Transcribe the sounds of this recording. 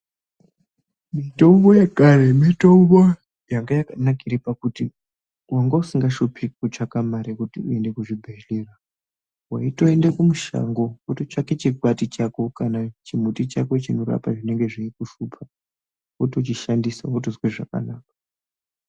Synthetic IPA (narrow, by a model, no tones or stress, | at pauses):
mitouβojekaɾemitoβo | jaŋɡajakanakiɾipakuti | waŋɡausiŋɡaʃopʰikut͡ʃakamaɾekutiue̞nde̞kuʐibʱeelera | waito̞e̞ndekumuʃa̰ŋɡo̞kotot͡ʃaket͡ʃikwatit͡ʃako̞kanat͡ʃim̤utit͡ʃako̞t͡ʃino̞ra̰paʐine̞ŋɡe̞ʐiikuʃupʰa | otot͡ʃiʃandisa̰otozweʐaka̰naːk̚ḁ